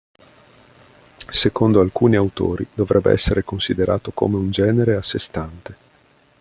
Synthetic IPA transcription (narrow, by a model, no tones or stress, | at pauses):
sekond̪oalkuːniawt̪o̰ːɾḭd̪̥ovɾɛbːḛʔɛ̰sːeɾekonsid̪eɾʔaːt̪oko̰meund͡ʒɛːneɾeasːest̪ant̪e